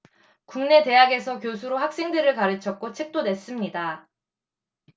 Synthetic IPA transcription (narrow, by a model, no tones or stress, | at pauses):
kuŋne̞te̞jaɡe̞sʰʌkjosʰuɾohak̚s͈e̞ŋdɯɾɯɭkaɾɯt͡ɕʰʌk̚k͈ot͡ɕʰe̞k̚t͈one̞s͈ɯmɲida